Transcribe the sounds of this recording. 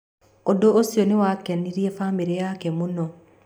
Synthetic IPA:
odoːsjonewakɛniɾiɛfamiɾejakɛmunɔ

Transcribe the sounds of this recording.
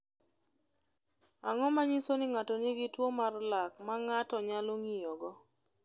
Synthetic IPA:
aŋɔmaɲisonɪŋatɔnɪɡɪtwomarlakmaŋatɔɲaloŋijɔɡɔ

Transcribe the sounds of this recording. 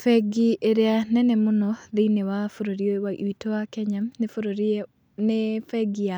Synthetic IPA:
fɛɡieɾeanɛnemonɔðiinewafoɾoɾiewaʔiwitowakɛɲamnefoɾoɾi | nefɛɡia

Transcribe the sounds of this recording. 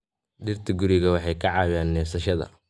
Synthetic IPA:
ɖɪrt̪ʰɪɡʊɾɪɣɐwɑħɑjkʰɐʕɑːwaːnːɛːfsɐʃɐðɐ̰

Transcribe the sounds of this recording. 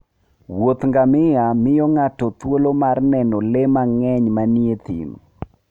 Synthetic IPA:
wot̪ŋɡamɪjamɪjɔŋatɔt̪wolomarnɛnɔlemaŋɛɲmaniet̪ḭn

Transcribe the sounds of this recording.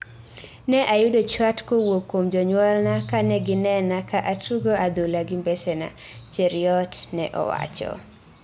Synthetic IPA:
nɛʔajʊdot͡ʃwatkowokːomd͡ʒɔɲwɔlnakanɛɡɪnɛnakaʔatʰuɡoad̪ulaɡɪmbɛsɛna̰t͡ʃeɾiɔtnɛʔɔ̰wa̰t͡ʃɔ̰

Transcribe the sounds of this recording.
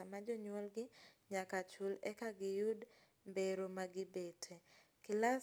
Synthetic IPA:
amad͡ʒɔɲwɔlɡɪɲakat͡ʃulɛkaɡɪjud | mbeɾomaɡɪbetʰe | kɪla

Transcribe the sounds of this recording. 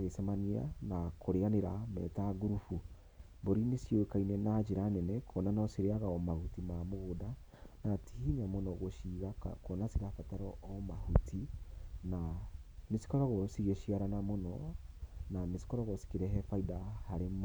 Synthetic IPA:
ɣesamania̰nakʰoɾeaneɾamɛ̰taɡuɾufu | boɾinesjokainɛnad͡ʒeɾanɛnɛkʰɔnanaɔseɾeaɣaɔmahutimamoɣoda | natʰihiɲamonɔɣoʃiɣakɔnasiɾafataɾɔɔmahutʰinamesi̥kɔɾɔɣɔsiɣeʃiaɾanamonɔ | namesi̥kɔɾɔɣɔsi̥keɾɛɦɛfaidahaɾem

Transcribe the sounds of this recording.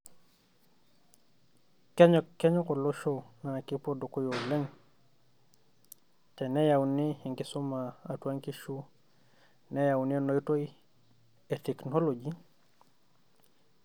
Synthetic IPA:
keɲokːeɲokoloʃonanakipodokojoleŋ | tenejawnihiŋkisumaatuaŋkiʃu | nejawninojtoj | eteknoloɟi

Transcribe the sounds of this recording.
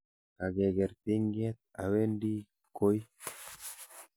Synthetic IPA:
aɡeɡeɾt̪iŋɡiet̪̚a̰wendi | koj

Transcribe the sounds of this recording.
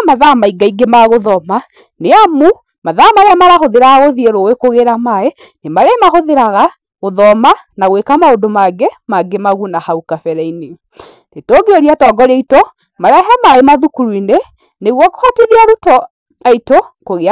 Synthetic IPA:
maðamaiɡaiɡemaɣoðɔma | neamu | maðamaɾemaɾaɦoðeɾaɣaɣoðieɾowekoɣeɾamae | nemaɾemaɦoðeɾaɣa | ɣoðɔmanaɣwekamaondomaɡemaɡemaɣunahaukafɛɾɛine | netoːɡeoɾiatɔːɡɔɾeitɔ | maɾɛɦɛmaemaðukuɾwine | neɣwɔkohateɾiaɾutɔ | aitokoɣe

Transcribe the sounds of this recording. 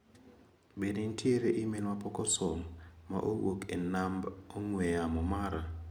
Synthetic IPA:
benɪntʰjeɾeʔɪmelwapɔkɔsɔŋma̰ʔowokenamboŋweamɔmaɾa

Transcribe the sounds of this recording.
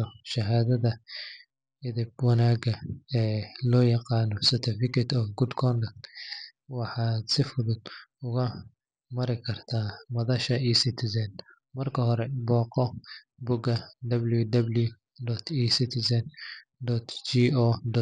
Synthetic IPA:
ʃɐɦaːðɐðɐ | ɪðɪb̚wɑnaːɡɐɛːlɔːjɑqɑːnɔsɐrt̪ʰɪfɪkʰɛt̪ʰɔːɡʊd̪kʰɔnd̪ɐ | wɑħɑːd̪sɪfʊðʊd̪ʊɣɐ | mɐɾɪkʰɐrt̪ʰaːmɐðɐʃɐiːsɪt̪ʰɪsɐn | mɐrkʰɐɦɔɾɛbɔːqɔ | bʊɡɐd̪ɐbljud̪ɐblju | d̪ɔt̪ʰːsɪt̪ʰɪsɐn | d̪ɔt̪ʰt͡ʃiːɔːd̪ɔ

